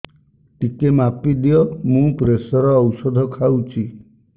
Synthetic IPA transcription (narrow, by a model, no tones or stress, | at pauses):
ʈikemapid̪ijɔmũpɾesɔɾɔːwsɔd̪ʱɔkʰawt͡ʃʰi